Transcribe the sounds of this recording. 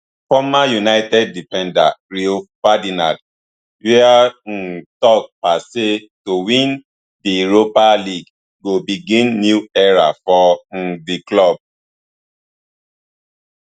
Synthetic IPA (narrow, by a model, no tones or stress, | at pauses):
fɔmajunaɪtɛd̚ːifɛ̃nda̰ɾiofadinãd | wian̩tɔk̚pase | towĩn | diɹopaliɡ | ɡobiɡĩnːjuɛɹafɔn̩diklɔb̚